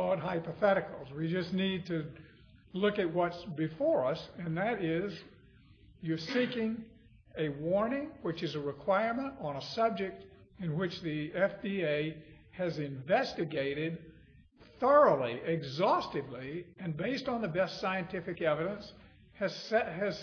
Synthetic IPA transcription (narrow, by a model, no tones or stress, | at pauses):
ɔd̚ɦaɪpəθɛɾɨkl̩ˠzwid͡ʒʌsnid̚tʰɨ | lʊkɨt̚wʌtsbɨfɔɹʌsɨ̃nðɨɾɪz | jə˞sikɪ̃ŋ | ɨwɔɹnɪ̃ŋwɨt͡ʃɨzɨɹɨkʰw̥aɪɹmə̃ntn̩əsʌb̚d͡ʒɨk̚t | ɨ̃nwɨt͡ʃðiɛfd̥ieɪ | ɨzɨ̃ɱvɛstɨɡeɪɾɪd̚ | θɜ˞ol̩ˠiʔɪɡzɔstɨvliɨ̃nbeɪstn̩ðɨbɛstsaɪɨ̃ntʰɪfɨkɛvɨɾɨ̃ns | ɨz̥ɨz̥